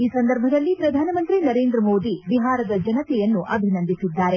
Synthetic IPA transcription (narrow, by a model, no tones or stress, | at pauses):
iːsɐnd̪ɐɾbʱɐd̪ɐlːipɾɐd̪ʱaːnɐmɐnt̪ɾinɐɾeːnd̪ɾɐmoːd̪iʋiɦaːɾɐd̪ɐd͡ʒɐnɐt̪ɛjɐnːuʔɐbʱinɐnd̪isid̪ːaːɾe